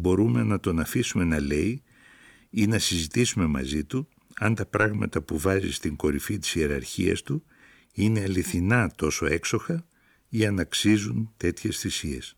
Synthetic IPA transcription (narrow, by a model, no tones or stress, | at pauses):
bo̞ɾume̞nɐt̪o̞nɐfisume̞nɐle̞i | inɐsizit̪isume̞mɐ̰zit̪u | ɐnt̪ɐpɾɐɣmɐ̰t̪ɐpuvɐzḭst̪iŋɡo̞ɾifit̪i̥sie̞ɾɐ̰ɾçiɐ̰st̪u | ine̞ɐliθinɐt̪o̞so̞e̞kso̞xɐ | iɐnɐksizunt̪e̞t̪çe̞sθisie̞̰s